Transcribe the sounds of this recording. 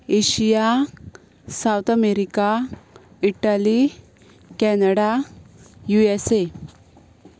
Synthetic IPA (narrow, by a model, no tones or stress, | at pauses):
eɕija | sawt̪ʰameɾika | iʈali | kɛnəɽa | juese